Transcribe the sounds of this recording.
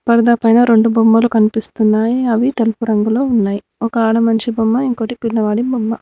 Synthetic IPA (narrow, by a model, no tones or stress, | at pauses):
pɐɾɐd̪ɐpɐjnɐɾe̞ɳɖubomːɐlukɐnipist̪unːaːjiɐʋit̪elpuɾɐŋɡulo̞ːunːaːji | ɔkɐaːɽɐmɐɲt͡ʃibɐmːɐiŋko̞ːʈipilːɐʋaːɽibomːɐ